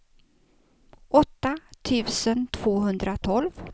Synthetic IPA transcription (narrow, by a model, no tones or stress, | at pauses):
ʔɔt̪ːat̪ʰʉ̟ːsənt̪ʰv̥oːɦɵnd̪ɾʔat̪ʰɔlv